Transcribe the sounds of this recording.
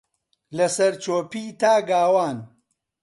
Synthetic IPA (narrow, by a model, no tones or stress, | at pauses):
lɐsɐɾt͡ʃoːpiːt̪aːɡaːwaːn